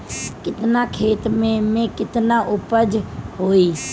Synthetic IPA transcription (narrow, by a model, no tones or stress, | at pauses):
kɪt̪nakʰeːt̪mẽmẽkɪt̪naʔʊpəd͡ʒɦoːi